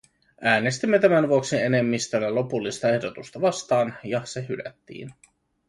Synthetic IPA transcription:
ʔæːne̞st̪imːe̞t̪æmænʋuo̞ksie̞ne̞mːist̪ølːælo̞pulːist̪ɑe̞hdo̞t̪ust̪ɑʋɑst̪ɑːnjɑseɦylæ̰t̪ːḭːn

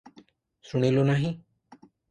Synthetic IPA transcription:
suɽ̃ilonaɦĩ

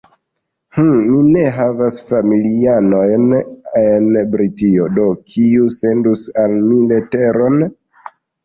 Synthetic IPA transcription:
h̩mine̞ɦavasfamiliano̞jnenbɾitio̞do̞kʰiuse̞ndusalmilete̞ɾo̞n

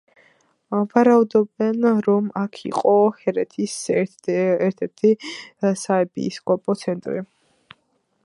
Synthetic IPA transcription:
vaɾaud̪ɔbɛnɾɔmakʰḭqʼɔhɛɾɛt̪ʰis | ɛɾt̪ʰɛɾt̪ʰisaɛpʼḭskʼɔpʼɔt̪sʰɛnt̪ʼɾi

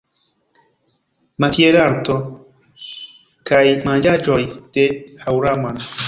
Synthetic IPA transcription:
mat̪ieɾaɾt̪ɔ | kajmãnd͡ʒad͡ʒɔɾid̪̥ehawɾaman

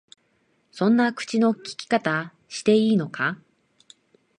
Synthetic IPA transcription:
sõ̞nːakɯ̟̥t͡ɕino̞kʲi̥kʲi̥kat̪a | ɕi̥t̪e̞iːno̞ka

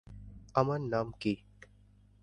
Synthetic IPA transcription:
ɐmənːaːmki

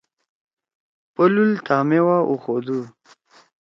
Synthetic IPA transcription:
pəlult̪ʰaːmewaʔuxod̪u

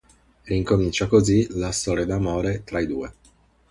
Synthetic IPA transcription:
riŋkomint͡ʃakozilast̪ɔːɾjad̪amoːɾet̪ɾaid̪uːe

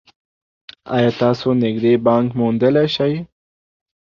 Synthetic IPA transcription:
ɑ̰jɑːt̪ɑsonɪɡd̪ebɑŋkmond̪əleʃaj

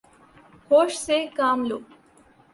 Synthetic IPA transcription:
hoːʃsekaːmloː

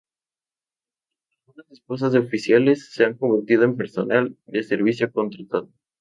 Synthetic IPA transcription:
lɣalɣunasespo̞s̬azðeofisjale̞sːe̞aŋko̞mbeɾt̪ið̞o̞empe̞ɾso̞nald̪e̞se̞ɾβisjoko̞nt̪ɾat̪aðo

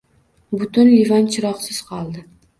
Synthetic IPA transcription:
bʊt̪ʊnlivant͡ʃʰɪɾɒqsɪz̥qʰɒlˠd̪ɪ

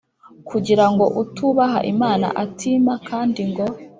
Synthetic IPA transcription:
kʰuɟiɾaŋɡo̞ʔutuβaɦa̰ʔimaːna̰ʔatʰiːmakʰaːndiŋɡo̞

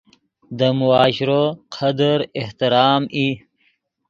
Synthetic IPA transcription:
d̪əmuaːɕɾoqʰɐd̪əɾeht̪iɾɑːmi

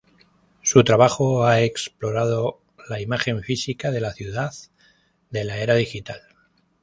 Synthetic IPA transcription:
sut̪ɾaβ̞axoaeksplo̞ɾað̞o̞ | laimaxe̞ɱfisikaðe̞laθjuðað | d̪e̞lae̞ɾað̞ixit̪al

